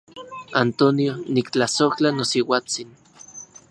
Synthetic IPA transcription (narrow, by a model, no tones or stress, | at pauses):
ant̪onionikt͡ɬasoht͡ɬanosiwaːt͡sin